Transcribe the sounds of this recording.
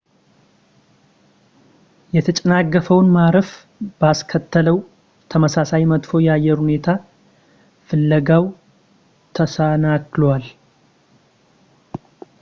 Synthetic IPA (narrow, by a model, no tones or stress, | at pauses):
jɛt̪ʰət͡ʃʼɛnaɡːəfəwnmaɾəf | b̥askʰət̪ʰːələw | t̪ʰəməsasajmət̪fo̞jɛajːɛɾhune̞t̪ʰa | fɨlːəɡaw | t̪ʰəsanaklwal